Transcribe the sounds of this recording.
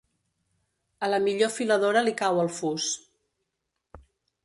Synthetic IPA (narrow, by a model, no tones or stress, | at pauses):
ələmiʎofiləðoɾəlikawəlˠfus